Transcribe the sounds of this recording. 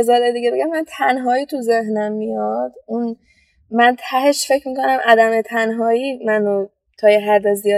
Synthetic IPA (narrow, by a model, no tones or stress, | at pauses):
ezɒːɾed̪iɟebe̞ɟæmːænt̪ʰænɦɒːiːt̪ʰuzeɦnæmːijɒd̪̥un | mænt̪ʰæhe̞ʃfecʰmiːkʰo̞næmʔæd̪æmet̪ʰænɦɒːiːmænro | t̪ʰɒːjeɦæɾd̪ezijɒː